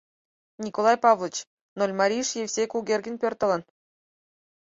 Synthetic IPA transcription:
nʲikolˠɑjpɑvlˠɤ̆t͡ɕ | nolʲmɑɾʲiʂjefʲsʲekuɡʲerʲɡʲɘ̆nʲpʲørt̪ɤ̆lʲˠɤ̆n

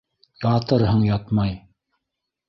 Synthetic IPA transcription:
jɑt̪ɤɾɦɤɴjɑt̪mɑj

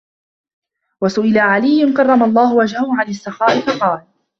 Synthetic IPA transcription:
wasʊʔɪlaʕalɪjːʊnkɑrˤːɑmalˤːɑːhʊwad͡ʒhahʊʕanasːɑxɑːʔɪfɑqɑːl

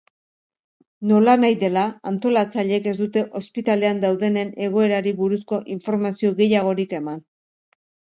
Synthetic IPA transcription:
no̞lanajðe̞laant̪o̞lat͡saʎe̞ke̞zd̪ut̪e̞ʔo̞spit̪ale̞and̪awðe̞ne̞ne̞ɣ̞o̞e̞ɾaɾiβuɾusko̞ʔiɱfo̞ɾmasio̞ɣe̞jaɣ̞o̞ɾike̞man

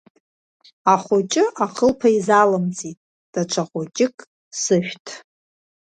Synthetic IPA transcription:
aχʷot͡ʃʼɪʔaqʰəlpʰaizalɨmt͡sʼitʼ | d̥at͡ʃʷʰaχʷot͡ʃʼɪkʼ | sɨʃʷᶣtʰʼ

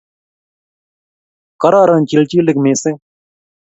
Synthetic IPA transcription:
kəɾaːɾənt͡ʃɪlt͡ʃiːlɪkmẽːsẽː

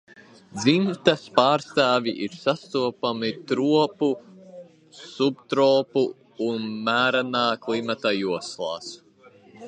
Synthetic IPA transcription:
d̪zimt̪aspaːɾst̪aːviʔiɾsast̪uɔpamit̪ɾuɔpu | subt̪ɾoːpuː | nmæːɾanaːklimat̪ajuɔslˠa̰ːs

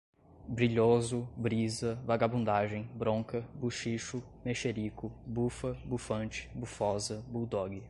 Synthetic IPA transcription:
bɾiʎozʊbɾizɐvaɡabũnd̪aʒẽj̃bɾõkɐbuʃiʃʊ | meʃeɾikʊbufɐbufɐ̃t͡ʃɪ̥bufɔzɐbud̪ɔɡɪ

